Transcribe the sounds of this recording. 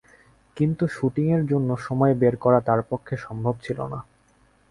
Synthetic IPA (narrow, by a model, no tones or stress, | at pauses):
kint̪uʃuʈiŋeɾd͡ʑonːoʃɔmɔebeɾkɔɾat̪aɾpokʰːeʃɔmbʱobt͡ɕʰilo̰na